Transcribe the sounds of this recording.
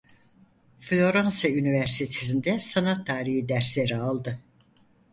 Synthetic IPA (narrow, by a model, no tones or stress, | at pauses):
flʲo̞ɾansaynivæɾst̪ʰet̪ʰesind̪ɛsanat̪ʰːaːɾiɦid̪æɾslʲeɾialˠd̪ɯ